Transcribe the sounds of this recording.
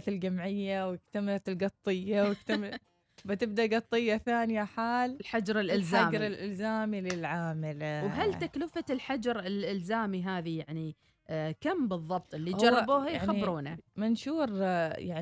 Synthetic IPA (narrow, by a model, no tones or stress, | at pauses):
t̪ɪld͡ʒamʕɪjːawɪk̚t̪amalat̪ɪlɡɑt̪ˤːɨjːawɪkt̪am | bɪt̪ɪb̚d̪aʔɡɑt̪ˤːɨjːaθaːnjaħaːllħad͡ʒɾˤɪlʔɪlaːmd͡ʒɾˤɪlʔɪlzaːmilɪlʕaːmɪlwɦalt̪aklɪfalħad͡ʒɑɾˤɪlʔɪlzaːmiɦaːðijaʕni | kambɨðˤːɑb̚t̪ˤɪlːihd͡ʒɑˤːɑbuːhaaiɾuːnamɪnʃuːɾjaʕ